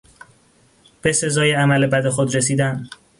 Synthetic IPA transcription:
b̥e̞se̞zɒːjeæmæle̞bæd̪e̞xod̪ɾe̞siːd̪æn

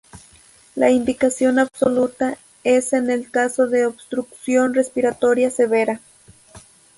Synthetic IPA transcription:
la̰ind̪ikasjonaβsolut̪a | esenelkasoðeobst̪ɾuksjonrespiɾat̪oɾjaseβeɾa

